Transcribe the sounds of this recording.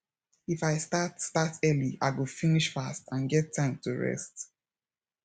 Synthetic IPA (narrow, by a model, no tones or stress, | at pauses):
ifaɪstatstatʰɜliaɪɡəfiniʃfastʰãnɡɛtʰːãɪ̃mtʰuɹɛ̰st